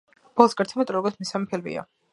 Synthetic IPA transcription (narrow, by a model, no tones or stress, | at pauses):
b̥ɔlˠsɡaɾt̪sʰɛmɛt̪ʼɾɔɡɔɾt̪ʰmisamɛpʰilmḭa̰